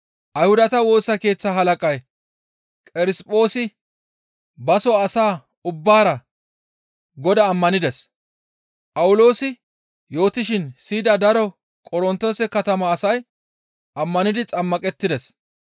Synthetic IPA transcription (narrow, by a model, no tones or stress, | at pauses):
ʔɐjhʊd̪ɐt̪ɐwo̞ːsːɐke̞ːt͡sːɐɦɐlɐkʼɐj | kʼɪɾɪspʼo̞ːsɪ | bɐsɔɐsaː | ʊbːaːɾɐ | ɡɔd̪ɐːmːɐnɪd̪ɛs | pʼɐwʊlo̞ːsɪ | jo̞ːt̪ɪʃɪnsiːd̪ɐd̪ɐɾɔ | kʼɔɾɔnt̪ːo̞ːsɛkɐt̪ɐmɐːsɐj | ʔɐmːɐnɪd̪ɪt͡sʼɐmːɐkʼɛt̪ːɪd̪ɛs